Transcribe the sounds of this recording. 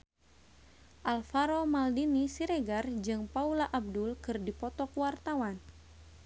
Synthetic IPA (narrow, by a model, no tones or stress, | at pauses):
ʔalfaɾomaldinisiɾeɡard͡ʒɨŋpaulaʔab̚dulkɨrdipɔt̪ɔkwart̪awan